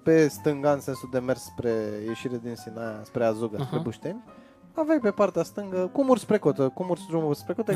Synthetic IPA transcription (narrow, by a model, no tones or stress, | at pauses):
pe̞st̪ɨŋɡaɨnse̞nsud̪e̞mersːpɾe̞je̞ʃiɾe̞d̪insinajaspɾe̞azuɡəspɾebuʃt̪enʲ | avejpe̞part̪east̪ɨŋɡəkumurspɾe̞kot̪əkumursd̪ɾumurspɾe̞kot̪ə